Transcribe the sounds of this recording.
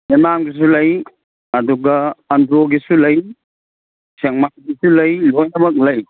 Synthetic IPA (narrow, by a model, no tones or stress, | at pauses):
memamɡis̬ulɐj | ɐduɡɐːndɾoɡisulɐj | seŋmakiɡisulɐjlojnɐmɐk̚lɐj